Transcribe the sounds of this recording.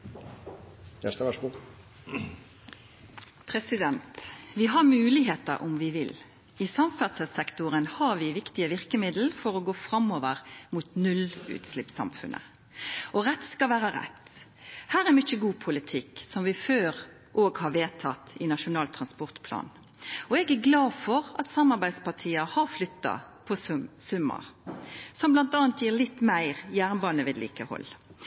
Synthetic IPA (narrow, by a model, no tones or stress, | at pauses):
æʂt̪əʋɑʂɡu | pʰɾɛsɪd̪ɛnt̪ʋɪɦɑʁmʉːlɪɦeːt̪ə̰ɾʔʊ̰mʋɪʋɪl | isɑmfæʁd̪səsɛkt̪ʊʁənhɑʋɪʋɪkt̪ɪəʋɪʁkəmɪd̪l̩fɔʁɔɡoːfʁɑmoːʋəʁmuːt̪nʉlʉ̰ːt̪slɪpsɑ̰mfʉ̰nʔə̰ | ʔɔʁɛt̪skɑlʋæːʁəʁɛ̰t̪ː | hæːɾæɾmʏçəɡuːpʰʊlɪt̪ʰɪksɔmʋɪføːʁ | ʔoːɡhɑɾʋeːt̪ʰɑt̪ɪnɑʂʊnɑːlt̪ʰʁɑnspɔʁt̪pʰlɑ̰ːn | ɔɛɡæɡlɑːfɔʁɑt̪sɑmːɑɾbæɪd̪spɑʈ̪ʰiːəhɑɾflʏt̪ːɑ̰pʰɔsʉmːɑ̰ʁsɔmblɑnt̪ɑːɑnt̪jiːʁlɪt̪ːmæɪʁjæːʁnbɑːnəʋɪːd̪lḭːkəhɔ̰lː